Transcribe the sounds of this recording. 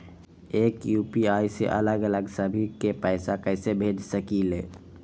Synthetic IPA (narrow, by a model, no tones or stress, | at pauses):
eːkjuːpiajseʔə̰ləɡələɡsəbʱikepəɪsakəɪsebʱed͡ʒsəkileː